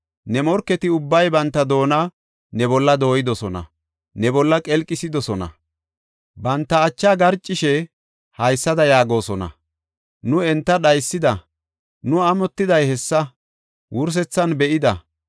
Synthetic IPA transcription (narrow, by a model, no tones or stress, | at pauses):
nɛmɔɾkːɛt̪ɪʊbːɐjbɐnt̪ːɐd̪o̞ːnɐ | nɛbɔlːɐd̪o̞ːjɪd̪ɔsɔnɐ̰ | nɛbɔlːɐkʼɛlkʼːɪsɪd̪ɔsɔnɐ̰ | bɐnt̪ːɐːt͡ʃːaːɡɐɾt͡ʃʼːɪʃɛ | hɐjsːɐd̪ɐjaːɡo̞ːsɔnɐ̰ | nʊɛnt̪ːɐɗɐjsːɪd̪ɐ | nʊɐmɔt̪ːɪd̪ɐjhɛsːɐ | wʔʊɾs̬ɛt͡sːɐnbɛʔɪd̪ɐ